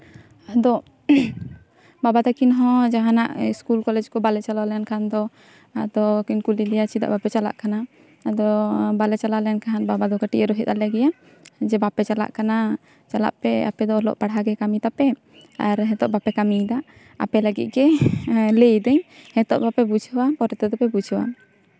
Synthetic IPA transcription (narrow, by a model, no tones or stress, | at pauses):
ad̪ɔ | babat̪akinɦɔ̃d͡ʒaɦanaʔiskulkɔlɛd͡ʒkɔbalɛt͡ʃalalɛankʰand̪ɔ | ad̪ɔkinkulilɛjat͡ʃid̪a̰ʔbapɛt͡ʃala̰ʔkana | ad̪ɔbalɛt͡ʃalalɛjankaɦanbabad̪ɔkaʈiʔəɾɔɦɛt̪̚alɛɡɛja | d͡ʒɛbapɛt͡ʃala̰ʔkana | t͡ʃala̰ʔpɛa̰pɛd̪ɔɔlɔ̰ʔpaɽɦaɡɛkamit̪apɛ | aɾɦɛt̪ɔʔbapɛkamid̪aʔ | apɛləɡit̪̚ɡɛlejd̪ɛɲhɛt̪ɔ̰ʔbapɛbud͡ʒʱwapɔɾɛt̪ɛd̪ɔpɛbud͡ʒʱwa̰